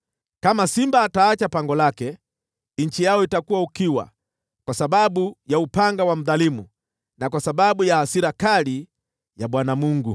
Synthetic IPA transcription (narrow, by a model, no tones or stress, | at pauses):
kamasimbaːtaːt͡ʃapaŋɡɔlakɛ | ɲ̩t͡ʃijaɔitakuwaukiwa̰ | kwasaɓaɓujaupaŋɡawam̩ðalimu | nakwasaɓaɓujaasiɾakali | jaɓwanamuŋɡu